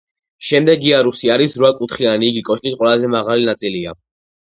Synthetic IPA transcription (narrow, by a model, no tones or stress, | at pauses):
ʃɛmd̪ɛɡiaɾusiaɾisɾwakʼut̪ʰχianiːɡikʼɔʃk̪ʼisqʼwɛlˠazɛmaʁalinat̪sʼilia